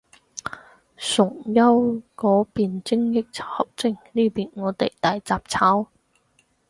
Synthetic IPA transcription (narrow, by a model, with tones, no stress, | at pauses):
sʊ˨˩ŋjɐ˥wkɔː˨˥piː˨nt͡sɪ˥ŋjɪ˥k̚t͡sʰːhɐ˨˩p̚t͡sɪ˧˩ŋniː˥piː˨nŋɔː˨˧t̪e˨jt̪aː˨jt͡saː˨p̚t͡sʰaː˨˥w